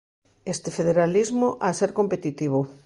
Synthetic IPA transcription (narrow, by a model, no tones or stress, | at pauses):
est̪efeð̞eɾalizmoʔaseɾkompet̪it̪iβ̞o